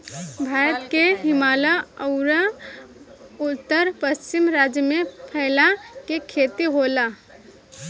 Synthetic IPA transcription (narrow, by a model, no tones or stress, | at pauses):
bʱaːɾət̪keɦɪmaːlaəʊɾa | ut̪ːəɾpəst͡ʃimɾad͡ʒjəmepʰəɪlakekʰet̪iɦola